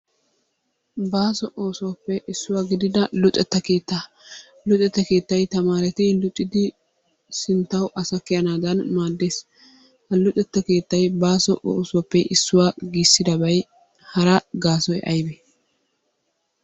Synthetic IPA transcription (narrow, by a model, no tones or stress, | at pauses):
baːsɔʔoːsʊwɐpːɛʔɪsːʊwaːɡɪd̪ɪd̪ɐlʊtʼɛt̪ːɐke̞ːt̪ːa | lʊtʼːɛt̪ːɐke̞ːt̪ːɐjt̪ɐmaːɾɛt̪ɪlʊt͡ʃʼːɪd̪ɪ | sɪnt̪ːɐwʔɐsɐkːɪjɐnaːd̪ɐnmaːd̪ːeːs | hɐlʊt̪ʼɛt̪ːɐke̞ːt̪ːɐjbaːsɔʔo̰ːsʊwɐpːɛʔɪsːʊwaːɡiːsːɪd̪ɐbɐj | hɐɾɐɡaːsɔjʔɐjbɛ